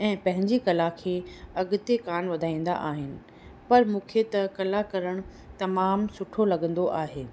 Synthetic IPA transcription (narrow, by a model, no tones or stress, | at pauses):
ɛ̃ːpɐ̃ɦɪ̃ɲd͡ʑikɐlakʰeːɐɠʊt̪ekaːnʋɐd̪ʱaːĩːn̆d̪a̰ʔaːɦɪnɪ̆ | pɐɾmũːkʰet̪ɐkɐlakɐɾəɽ̃ | t̪ɐmaːmsʊʈʰolɐɠə̃nd̪oʔaːɦeː